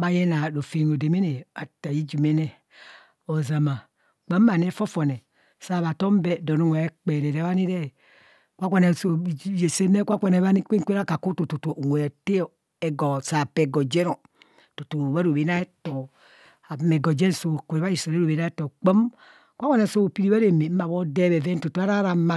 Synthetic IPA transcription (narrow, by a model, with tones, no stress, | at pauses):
ba˦je˦na˨ɾo˨fe˨no˨de˨me˦ne˨a˨ta˨ji˦d͡ʒu˨me˦ne˦ | o˨za˨ma˨ | k͡pa˦mː˦a˨ne˦fo˦fo˨ne˨ | sa˦˨βa˨to˦m˦be˦do˨no˦ŋʷe˨e˦k͡pe˨ɾe˨ɾe˨˦βa˦ni˦ɾe˦˨ | kʷa˦kʷa˦ne˨so˨je˨se˦ne˦kʷa˦kʷa˨ne˨˦βa˦ni˦ke˦ŋ˦kʷe˦ɾa˦ka˨ku˦to˨to˨to˨ŋʷe˨te˦˨ | e˨ɡɔ˨sa˨pe˨ɡo˨d͡ʒe˦ɾo˨ | to˨to˨βa˦ɾo˨βe˨na˦e˦to˨ | a˨me˨ɡo˨d͡ʒe˦n˨so˨kʷe˨˦βa˦ji˨so˨ɾe˦ɾo˨βe˨˦na˦e˦to˨k͡pə˦m | kʷa˦kʷa˦ne˨so˦o˨pi˦ɾi˦βa˦ɾe˨me˨˦ma˨βo˦deː˦βe˨ve˦n˦to˨to˨˦a˦ɾa˦ɾa˨˦ma˦˨